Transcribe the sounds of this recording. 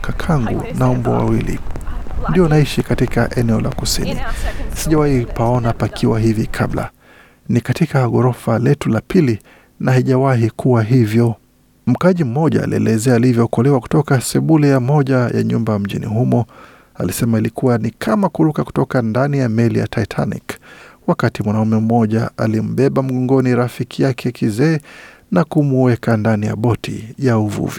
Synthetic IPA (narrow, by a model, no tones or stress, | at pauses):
kakʰaŋɡṵnaɔmbɔ̰wa̰wilḭndiɔnaiʃikatika̰ʔɛnɛɔla̰kusḭnḭsiʄawahipaɔnapakʰiwaɦivikʰabla̰ | nikatikaɣɔɾɔfalɛtulapili | nahiʄawaɦikʰuwaɦivjɔ | m̩kaʄim̩mɔʄa̰ːlḭɛ̰lɛzɛaːlivjɔkɔlɛwaku̥tɔkasɛɓulɛjamɔʄaja̰ɲumbam̩ʄḭnḭɦumɔ | a̰lisɛmailikuwanikʰamakulukaku̥tɔkandanijamɛlḭja̰tʰaitʰa̰nḭkwakatimwanaumɛm̩ɔʄaa̰lim̩ɓɛɓam̩ɠɔŋɡɔniɾafikʰijakʰɛkizɛː | nakumuwɛkandanija̰ɓɔtʰḭjauvṵvi